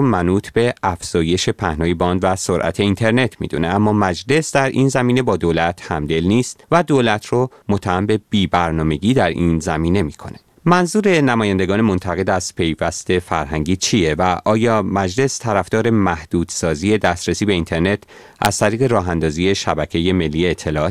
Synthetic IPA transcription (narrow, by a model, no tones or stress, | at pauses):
mænuːt̪ʰbe̞æfz̥ɒːje̞ʃe̞pʰæhnɒːjebɒːnd̪væsoɾʔæ̰t̪ʰe̞iːnt̪ʰe̞ɾne̞t̪ʰmḭd̪ṵneæmːɒːmæd͡ʒle̞sd̪æɾʔḭnzæmiːne̞bɒːd̪oːlæt̪ʰhæmd̪e̞lniːst̪væd̪oːlæt̪ʰro | mot̪ʰːæhæmbe̞b̥iːbæɾnɒːme̞ɟiːd̪æɾiːnzæmiːne̞miːkʰo̞̰ne̥ | mænzuːɾe̞næmɒːjænd̪e̞ɡɒːnemo̞nt̪ʰæɣe̞d̪æz̥pʰe̞jvæst̪e̞fæ̰ɾɦæŋɟiːt͡ʃʰije̞væʔʔɒːjɒːmæd͡ʒle̞st̪ʰæɾæfd̪̥ɒːɾe̞mæhd̪̥uːd̪̥sɒːziːje̞d̪æst̪ɾesiːbe̞int̪ʰeɾne̞t̪ʰ | ʔæ̰z̥t̪ʰæɾiːɣe̞ɾɒːɦænd̪ɒːziːje̞ʃæbæcʰe̞je̞me̞lːiːeːt̪ʰːe̞lɒɒːt̪